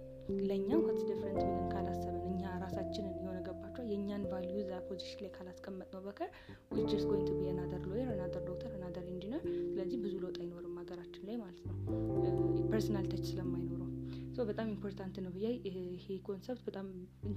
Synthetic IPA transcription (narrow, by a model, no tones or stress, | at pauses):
ləɨɲːakʰət̪d̪əfɾənt̪wɨnɨnkʰalasːəβənɨɲːaɾasat͡ʃːɪnɨnjɛho̞nəɡəbːat͡ʃːuwajɛɲːanvaljuzapʰo̞ziʃɪnlajkʰalaskʼəmːət̪ʼnəwbəkʰəɾ | wɨd͡ʒɛɾskʰojnt̪ʰɨbɨjɛnad̪əɾlojennad̪əɾd̪ok̚t̪ʰəɾnad̪əɾɨnd͡ʒinəɾsɨləzːihbɨzulot̪ʼajɪno̞ɾəmːaɡəɾat͡ʃːɪnlajmalət̪nəw | pəɾsənalt̪ʰət͡ʃːsɨləmːajno̞ɾəwsəwbət̪ʼamimpʰo̞ɾt̪ʰant̪nəwbɨjajhekʰo̞nsɛpt̪̚bət̪ʼamɨ